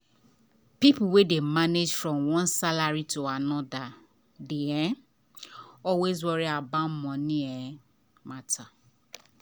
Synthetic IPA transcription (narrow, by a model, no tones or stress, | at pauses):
pipuwedemaned͡ʒfɹɔ̃mwɔ̃nsalaɹitʰuanɔda | deɛ̃ | ɔlwezwɔɹiabãmmɔ̃nĩɛ̃ | matʰa